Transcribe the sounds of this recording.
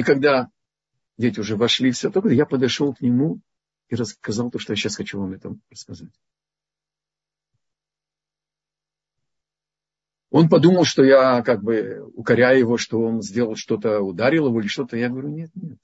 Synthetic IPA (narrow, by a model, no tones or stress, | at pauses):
ikɐɡ̚d̪a | dʲetʲɪʊʐɛvɐʂlʲifsʲat̪okəjapəd̪ɐʂo̞lˠknʲɪmu | iɾəskɐzɑlˠt̪o̞ʂt̪ojaɕːasxɐt͡ɕuvamɛt̪əmrəskɐzatʲ | o̞npɐd̪uməlˠʂt̪o̞jakaɡ̚bɨʊkɐɾʲajʊjɪvo̞ʂt̪o̞o̞nzʲdʲe̞lˠəlˠʂt̪o̞t̪əʊd̪aɾʲɪlˠɪvoilʲɪʂt̪o̞t̪əjaɡəvɐɾʲunʲe̞t̪̚nʲet̪̚